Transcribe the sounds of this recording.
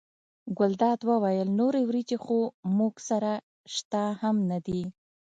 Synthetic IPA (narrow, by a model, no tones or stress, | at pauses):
ɡʊld̪ɑd̪wəwajəlnoɾewɾit͡ʃexomuɡsaɾa | ʃt̪ahamnad̪i